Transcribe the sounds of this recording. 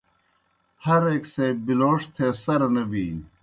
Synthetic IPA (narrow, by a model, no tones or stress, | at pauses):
hɐɾeːksejbiloːʂt̪ʰeːsɐɾɐnɐbiː